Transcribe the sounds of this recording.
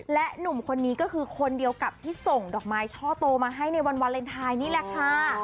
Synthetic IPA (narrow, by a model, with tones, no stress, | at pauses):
lɛ˦˥ʔnu˨˩mkʰo˧nːiː˦˥kɔː˥˩kʰɯː˧kʰo˧ndi˧əwka˨˩p̚t̪ʰiː˥˩so˨˩ŋdɔː˨˩k̚maː˨˦˥jt͡ɕʰɔː˥˩t̪oː˧maː˧ɦa˥˩jna˧jwa˧nwa˧nle˧nt̪ʰaː˧jniː˥˩lɛ˧˩kʰa˥˩